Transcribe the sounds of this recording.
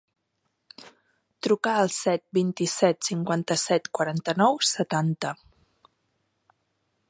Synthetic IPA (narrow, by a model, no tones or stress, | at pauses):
t̪ɾukaəlˠsɛt̪̚bint̪isɛt̪siŋkwant̪əsɛt̪kwəɾant̪ənɔwsət̪ant̪ə